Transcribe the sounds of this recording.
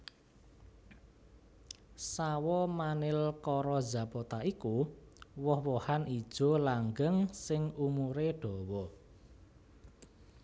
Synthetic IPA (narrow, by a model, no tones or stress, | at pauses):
sawɔmanɪlkɔɾɔdza̤pɔt̪aʔikuwɔhwɔhanid̥ʒ̥ɔ̤laŋɡəŋsɪŋumuɾeɖ̥ɔ̤wɔ